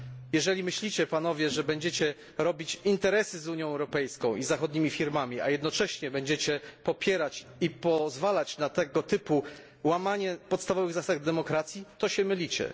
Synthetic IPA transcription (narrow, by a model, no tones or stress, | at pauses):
jɛʐɛlʲimɘɕlʲit͡ɕɛpan̪ɔvʲjɛʐɛbɛɲd͡ʑɛt͡ɕɛ | ɾɔbʲit͡ɕint̪ɛɾɛsɘzuɲjɔ̃w̃ɛwɾɔpɛjskɔ̃w̃ʔizaxɔd̪̚ɲimʲifʲiɾmamʲia̰jɛd̪nɔt͡ʂɛɕɲɛbɛɲd͡ʑɛt͡ɕɛpɔpʲjɛɾat͡ɕipɔzvalat͡ɕnat̪ɛɡɔt̪ɘpu | wamaɲɛpɔt̪st̪avɔvɘɣzasaɡd̪ɛmɔkɾat̪sʲjit̪ɔɕɛmɘlʲit͡ɕɛ̰